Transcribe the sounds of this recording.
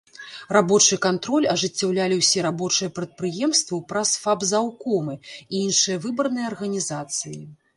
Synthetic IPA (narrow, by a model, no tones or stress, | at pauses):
rabɔt͡ʂɨkant̪ɾɔlʲɐʐɨt͡sʲːawlʲalʲiwsʲɛɾabɔt͡ʂɨjɐpɾɐt̪̚pɾɨjɛmst̪vɐwpɾɐsfabzawkɔmɨiinʂɨjɐvɨbɐrnɨjɐɐrɣɐnʲizat̪sɨji